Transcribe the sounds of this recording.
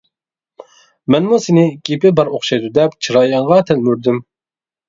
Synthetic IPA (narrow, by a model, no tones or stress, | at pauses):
mɛnmusɪnɪɡʲepɪbɑɾoχʃɑjd̪ud̪ɛpt͡ʃʰɨɾɑːjɑɴʁɑt̪ʰɛlmyɾd̪ym